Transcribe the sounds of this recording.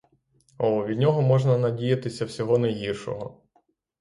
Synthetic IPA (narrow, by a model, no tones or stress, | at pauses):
ɔʋʲid̪ʲnʲɔɦɔmɔʒnɐnɐdʲijɐt̪ɪsʲɐwsʲɔɦɔnɐjɦirʃɔ̰ɦɔ